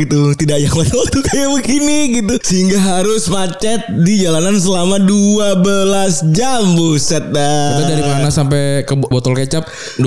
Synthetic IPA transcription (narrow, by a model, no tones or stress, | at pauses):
ɡit̪ut̪idaʔjakmat̪alɔt̪ukajabəkiniɡit̪usəiŋɡaɦaɾʊsmat͡ʃɛt̪̚did͡ʒalanansəlamaduabəlasd͡ʒambusat̪̚daat̪adaɾimanasampɛkəbot̪ɔlkət͡ʃap̚ | d